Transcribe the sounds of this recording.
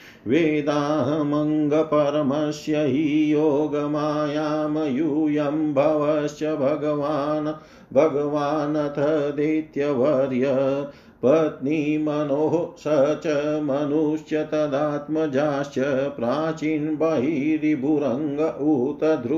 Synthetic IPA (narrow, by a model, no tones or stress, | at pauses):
ʋeːd̪aːɦɐmɐŋɡɐpɐɾɐmɐʃjɐɦijoːɡɐmaːjaːmɐjujɐmbʱɐʋɐʃjɐbʱɐɡɐʋaːnɐ | bʱɐɡɐʋaːnɐt̪ʰɐd̪eːt̪jɐʋɐɾjɐ | pɐt̪nimɐnoːɦosɐɦt͡ʃɐmɐnuʂjɐt̪ɐd̪aːt̪mɐd͡ʒaːʃjɐpɾaːt͡ʃiːnbɐɦiɾibʱuɾɐŋɡɐʔut̪ɐd̪ʱɾu